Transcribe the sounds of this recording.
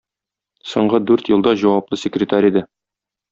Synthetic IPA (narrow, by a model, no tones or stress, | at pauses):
sŏɴɢɤd̪ʉɾt̪jɤ̆lˠd̪ɑʑɒwɑp̚lˠɤsʲɪkrʲɪt̪aɾʲid̪ɘ